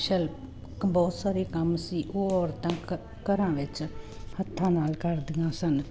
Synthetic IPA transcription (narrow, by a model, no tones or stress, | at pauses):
ʃəlp | bɔːt̪saːɾeːkəmsiːʔoːɔːɾt̪ãː | kəɾãːʋɪt͡ʃ | hət̪ʰːãːnaːlkəɾd̪iːãːsən